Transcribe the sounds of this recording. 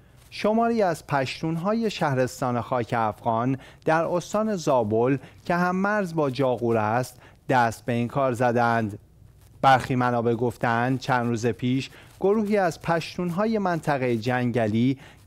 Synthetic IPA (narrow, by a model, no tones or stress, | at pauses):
ʃo̞mɒːɾiːæzpʰæʃt̪uːnɦɒːje̞ʃæhɾe̞st̪ɒːnexɒːcʰe̞æfɣ̥ɒːnd̪̥æɾost̪ɒːne̞zɒːbolcʰe̞ɦæmːæɾzbɒːd͡ʒɒːɣuːɾæst̪ | d̪̥æst̪̚be̞iŋkʰɒːɾzæd̪eænd̪ | bæɾxiːmænɒːbe̞ɡo̞ft̪eænd̪t͡ʃʰænd̪ɾuːze̞pʰiːʃɡ̥o̞ɾuːɦiːæzpʰæʃt̪uːnɦɒːje̞mænt̪ʰæɣejed͡ʒæŋɟæliː